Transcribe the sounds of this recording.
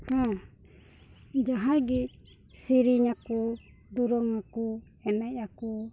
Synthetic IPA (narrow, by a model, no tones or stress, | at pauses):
ha | d͡ʒaɦaɡi | siɾiɲaku | d̪uɾɔŋaku | ɛmɛʔaku